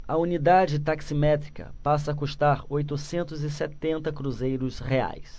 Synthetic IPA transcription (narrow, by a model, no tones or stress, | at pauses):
ɐunid̪ad͡ʒɪt̪aksimɛt̪ɾikɐ̰pasɐakuʃt̪aɾojt̪ʊsẽnt̪ʊzɪsɛt̪ẽnt̪ɐkɾuzejɾʊsχea̰js